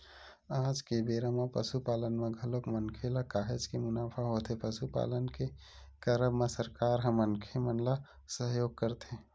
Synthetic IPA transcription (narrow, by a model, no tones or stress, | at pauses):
aːd͡ʒkebeːɾamãpə̰ʃupaːlənmẽɡʱəlokmənkʰelakaːɦed͡ʒkemʊnaːpʰaɦot̪ʰepəʃupa̰ːlənke | kəɾəbmẽsəɾkaːɾɦə̃mənkʰemənla | səɦjoːɡ̚kəɾt̪ʰe